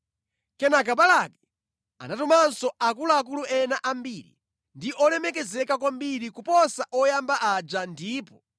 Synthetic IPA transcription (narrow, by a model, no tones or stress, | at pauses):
kɛnak̬aɓalakɛ | a̰natumansɔʔak̬ulaak̬uluɛnaʔambiɾḭ | ndiʔɔlɛmɛk̬ɛzɛkak̬wambiɾikupɔsaʔɔjambaʔad͡ʒandiːpɔ